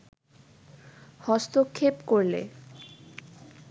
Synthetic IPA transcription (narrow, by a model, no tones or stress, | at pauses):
hɔst̪okʰːepkoɾlḛ